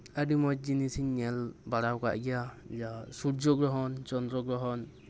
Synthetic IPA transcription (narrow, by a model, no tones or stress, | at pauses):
adimɔt̚d͡ʒinisiɲːɛlbaɾawka̰ʔɡijad͡ʒasuɾd͡ʒɔɡɾɔɦɔnt͡ʃɔnd̪ɾɔɡɾɔɦɔn